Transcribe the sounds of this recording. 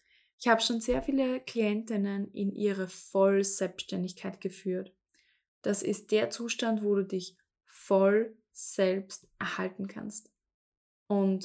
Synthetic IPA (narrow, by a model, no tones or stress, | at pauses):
ʔɪçhaːbəʃoːnzeːɐfiːləkl̥iɛntɪnənɪ̰nʔḭːʁəfɔlz̥ɛlpʃtɛndɪçkʰaɪtɡ̥əfyːɐt | d̥asɪ̰st̚d̥eːɐt͡suːʃtantvoːduːdɪç | fɔl | z̥ɛlpstʔɛɐhaltn̩kʰa̰nst | ʔʊnt